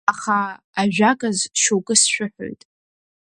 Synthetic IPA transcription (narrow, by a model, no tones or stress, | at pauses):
aχaː | ʒᶣakʼazʃowkʼɨsʃᶣʊħʷo̰jtʼ